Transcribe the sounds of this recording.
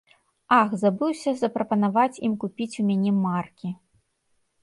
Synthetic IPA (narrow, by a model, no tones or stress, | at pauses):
axzabɨwsʲɐzɐpɾɐpɐn̪avat͡sʲimkupʲit͡sʲumʲanʲɛmarkʲi